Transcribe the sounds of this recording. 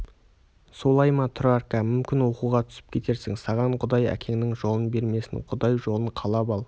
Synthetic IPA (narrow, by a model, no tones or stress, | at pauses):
so̞lˠɑjmɑt̪ʰʊrarkɑmʏmkʲɪnwo̞quʁɑt̪ʰʏ̥sɪ̥p̚kʲʰe̞t̪e̞ɾsɪŋsɑʁɑɴqʰʊd̪ɑjæ̰kʲʰe̞ŋɪnɪŋʒo̞lˠənbe̞ɾme̞sɪ̰ŋqʰʊd̪ɑjʒolˠəɴqʰɑlˠɑpɑlˠ